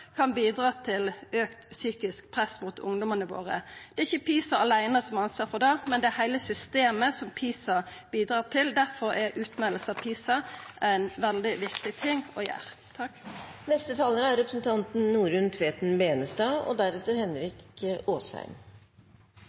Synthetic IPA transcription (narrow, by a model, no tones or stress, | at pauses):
kʰɑnbiːd̪ɾɑːt̪ʰɪløːkt̪syːkɪsk̚pʰʁɛsmuːt̪ʰʊ̰ŋd̪ɔmənəʋo̰ːʁə̰d̪̥ɛɪçːəpʰiːsɑɑlæɪnəsɔmɑnsʋɑːfɔd̪ɑmɛnd̪ɛæɾhæɪləsʏst̪eːməsɔmpʰiːsɑ | b̥iːd̪ɾɑːt̪ʰɪld̪æʁfɔɾæʔʉːt̪mɛləs̩ɑʋpʰiːsɑʔæɛnʋɛld̪ɪʋɪkt̪ɪt̪ʰɪŋːɔjæ̰ːʁ | t̪ʰɑkːnɛst̪ət̪ʰɑːləɾæɾɾɛpɾəsn̩t̪ʰɑnt̪n̩nuːɾʉnt̪ʰʋeːt̪n̩beːnəst̪ɑːɔ̰d̪æɾɛt̪əɾhɛnɾɪkoːshæ̰ɪm